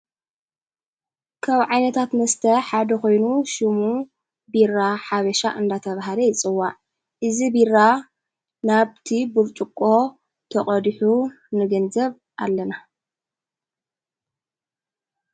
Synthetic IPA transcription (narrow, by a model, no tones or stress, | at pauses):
kʰaβʕajnɐt̪ʰat̪mɐst̪ʰɐħad̪ɐko̞jnuʃɨmu | birːaħaβɐʃaʔɨnd̪at̪ʰɐβaɦalɐjɪt͡sʼɨwːaʕ | ʔɨzibirːa | naβt̪ʰibuɾt͡ʃʼukʼːo̞ | t̪ʰɐχʼɐd̪ħu | nɨɡɐnzɐβ | ʔa̰lːɐna